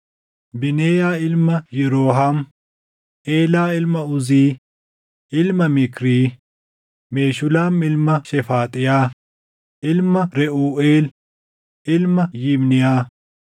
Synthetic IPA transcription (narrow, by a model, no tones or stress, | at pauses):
bɪneːjaːɪlmɐjɛɾoːɦaːm | ʔeːlaːɪlmɐʊziː | ɪlmɐmɪkɾiː | meːʃʊlaːmɪlmɐʃɛfaːt̪ʼɪjaː | ʔɪlmɐɾɛʔuːʔeːl | ɪlmɐjɪmnɪjaː